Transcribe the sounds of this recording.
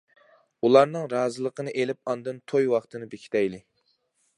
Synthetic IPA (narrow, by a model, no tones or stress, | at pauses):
ulˠɑɾnɨŋɾɑːzɨlˠəqʰənɨʔelɪp̚ɑnd̪ɨnt̪ʰojwɑχt̪ɨnɨbekʲʰi̥t̪ʰɛjlɪ